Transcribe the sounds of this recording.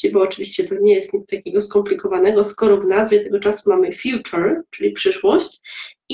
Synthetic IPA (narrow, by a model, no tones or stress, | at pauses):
ibɔːt͡ʂɘvʲiɕt͡ɕɛt̪ɔɲɛjɛst̪ɲit̪st̪akʲɛɡɔskɔmplʲikɔvanɛɡɔskɔɾɔvnazvʲjɛt̪ɛɡɔt͡ʂasumamɘfʲjut͡ʂɛɾt͡ʂɘlʲipʂɘʂwɔɕt͡ɕ